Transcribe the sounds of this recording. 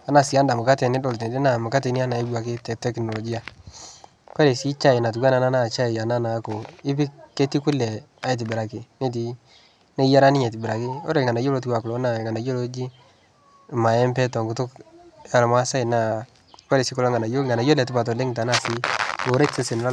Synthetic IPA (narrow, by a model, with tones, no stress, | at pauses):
a˨na˨si˨a˦nda˨mʊ˨ka˦tɛ˨nɪ˦dɔ˨lte˨dɛ˦na˨mʊ˨ka˦tɛ˨nɪ˦a˦na˨e˦ba˨kɪ˦tɛ˨tɛ˦knɔ˨lɔ˨ɡi˦a˨ | kwa˦le˨si˦t͡ʃa˦jna˨t̬u˨ɡwa˦na˨na˦na˦˨t͡ʃa˦i˨ja˨na˦na˨˦ko˨ɪ˦pɪ˦kːe˦ti˦kʊ˦lɛ˨ | a˦i˨t̬ɪ˨bɪ˨ɾa˨kɪ˨ne˦t̬i˨ | ne˦ja˦ɾa˦nɪ˦ɲɛ˨tɪ˨bɪ˨ɾa˨kɪ˦o̰˦ɾe˨ŋɡa˨na˨jo˦lo˦t̬i˦wa˨klɔ˨˦na˨ŋa˨na˨jo˦lo˦d͡ʒi˦˨ | ma˨ɛ˦mpɛ˦tɔ˨ŋɡʊ˨tʊ˦ka˨lma˦sa˦ɪ˨na˨ | ka˦le˨si˦kʊ˦la˦ŋa˨na˨jo˦ŋa˨na˨jo˦lɛ˨tɪ˦pa˨t̬ɔ˨lɛ˦ŋ˨ta˨˦na˨sɪ˦o˨ɾe˦tse˦se˨nɪ˨la˦